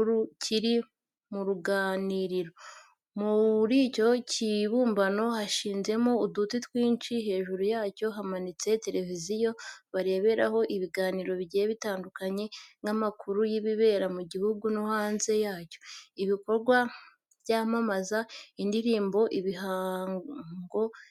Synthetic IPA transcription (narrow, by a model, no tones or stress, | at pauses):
ɾucʰiɾi | muɾuɡaːniɾiɾo̞ | muβɾico̞cʰiβuːmbano̞haʃiːnze̞moudutitwiːnt͡ʃiɦe̞ːʒuɾujaːco̞ɦamanit͡se̞te̞ɾe̞vizijo̞βaɾe̞ːβe̞ɾaho̞ʔiβiɡaːniːɾo̞βɟeβitaːndukaɲe̞ŋamakʰuɾujiβiβe̞ːɾamuɟihuɡunuhaːnze̞jaːco̞iβiko̞ɾɡwa | vjaːmamazaindiɾiːmbo̞ʔiβiɦaŋɡo̞